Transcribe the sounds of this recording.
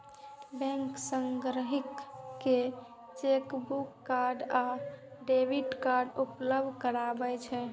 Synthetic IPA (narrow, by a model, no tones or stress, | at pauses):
bɛ̃ŋksəŋɡɾəɦikːe | t͡ʃekbukːaɾɖaɖebiʈkaɾɖupləbd̪ʱkəɾabɛt͡ʃʰɛ